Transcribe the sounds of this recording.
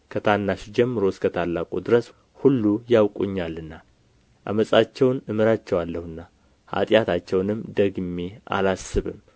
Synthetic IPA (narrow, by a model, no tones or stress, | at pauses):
kʰət̪ʰanːaʃd͡ʒɛmːɨɾo̞skʰət̪ʰalːakʼud̪ɨɾəs | hulːujawkʼṵɲːalɨnːa | ʔa̰məsʼat͡ʃːɛwnɨmɨɾat͡ʃːɛwalːəhɨnːa | ha̰t̪ʼjat̪ʰat͡ʃːɛwnɨmːd̪əɡmeʔa̰lasːɨβɨ̰m